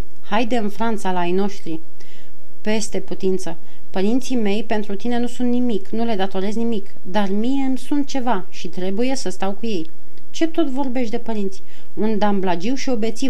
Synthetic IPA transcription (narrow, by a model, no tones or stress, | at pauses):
hajd̪e̞ɨnfɾant̪salaajno̞ʃt̪ɾi | pe̞st̪e̞put̪int̪sə | pəɾint̪sime̞jpe̞nt̪ɾut̪ine̞nusunt̪nimiknule̞d̪at̪o̞ɾe̞znimik | d̪armije̞msunt̪̚t͡ʃe̞va | ʃit̪ɾe̞buje̞səst̪awkuje̞j | t͡ʃe̞t̪o̞t̪vo̞rbe̞ʃt̪d̪e̞pəɾint̪sʲi̥ | und̪amblad͡ʒiwʃio̞be̞t̪si